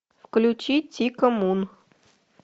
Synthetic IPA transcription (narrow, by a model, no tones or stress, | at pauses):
fklʲʊt͡ʃit͡sʲikɔmun